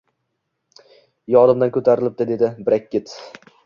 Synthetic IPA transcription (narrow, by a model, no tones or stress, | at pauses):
jɒd̪ɪmd̪ankʰɵt̪ʰaɾɪlɪp̚d̪ɪd̪e̞d̪ɪbɾakʲːɪt̪